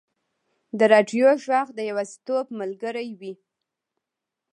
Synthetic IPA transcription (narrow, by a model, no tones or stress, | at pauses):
d̪əɾɑɖjoʒwɑɣd̪əjawast̪opməlɡəɾajwi